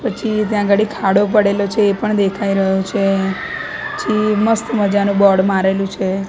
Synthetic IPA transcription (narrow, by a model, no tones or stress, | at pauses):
pət͡ʃʰit̪jãɡəɽikʰaɽop̬əɽelot͡ʃʰeːpəɳd̪ekʰaiɾəɦot͡ʃʰe | pət͡ʃʰiməst̪məd͡ʒanũbɔɽmaɾelũt͡ʃʰe